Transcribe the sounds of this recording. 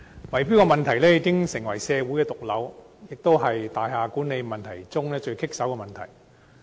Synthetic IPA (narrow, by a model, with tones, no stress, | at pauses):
wɐ˨˩jpi˥wkɔ˧mɐ˨nt̪ʰɐ˨˩jlɛː˥ji˨˧˥kɪ˥ŋsɪ˨˩ŋwɐ˨˩jsɛː˧wu˨˥jkɛː˧t̪ʊ˨k̚lɐ˨˧w | jɪ˨k̚t̪o˥wɦɐ˨jt̪aː˨jɦaː˧kuː˨˥ne˨˧jmɐ˨nt̪ʰɐ˨˩jt͡sʊ˥ŋlɛː˥t͡ʃɵ˧ɥkʰɪ˥k̚sɐ˨˥wkɛː˧mɐ˨nt̪ʰɐ̰˨˩j